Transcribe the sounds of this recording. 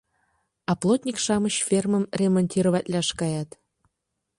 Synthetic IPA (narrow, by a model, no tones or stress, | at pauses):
ɑplˠot̪ʲnʲikʃɑməɕfʲermə̆mrʲemonʲt̪ʲiɾovæt̪ʲlʲæʃkɑjɑt̪